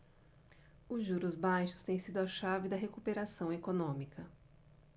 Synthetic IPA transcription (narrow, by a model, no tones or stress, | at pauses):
ʊzʒuɾʊzbajʃʊ̥st̪ẽj̃sid̪ʊɐʃavɪd̪ɐɦekupeɾasɐ̃w̃ekonõmikʰɐ